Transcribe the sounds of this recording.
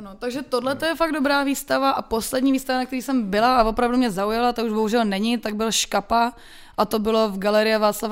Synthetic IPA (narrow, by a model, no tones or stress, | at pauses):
anot̪aɡʒɛt̪odlɛt̪ojɛfaɡ̚dobɾaːviːst̪avaʔaposlɛdɲiːviːst̪avanakt̪ɛɾiːsɛmbɪlaʔavo̞pɾavdumɲɛzaujalat̪auʒbo̞ɦuʒɛlnɛɲɪt̪aɡ̚bɪlʃkapa | ʔat̪o̞bɪlo̞vɡalɛɾɪjavaːt͡slav